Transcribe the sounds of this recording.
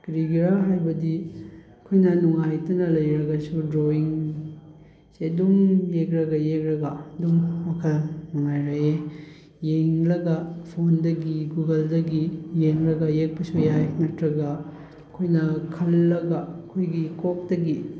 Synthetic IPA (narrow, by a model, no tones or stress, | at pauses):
kɾiɡiɾaɦajbɐdiɐkʰojnɐnuŋajtɐnɐlɐjɾɐɡɐsudɾoiŋ | sedumjekɾɐɡɐjekɾɐɡɐdumːɐkʰɐlnuŋajɾɐe | jeŋlɐɡɐpʰondɐɡiɡuɡɐldɐɡijeŋɾɐɡɐjek̚pɐsujajnɐtɾɐɡɐ | ɐkʰojnɐkʰɐlːɐɡɐkʰojɡikok̚dɐɡi